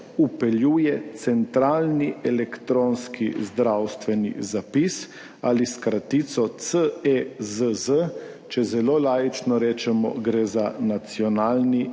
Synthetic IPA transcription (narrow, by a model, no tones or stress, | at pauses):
upɛljuːjɛt̪sɛnt̪ɾaːlniɛlɛkt̪ɾoːnskʰizd̪ɾawst̪ʋɛnḭzapis | aliskɾat̪it̪sɔt̪səezəzə | t͡ʃɛzɛloːlaːjit͡ʃnɔɾeːt͡ʃɛmɔ̰ɡɾeːzanat̪sjɔnaːlni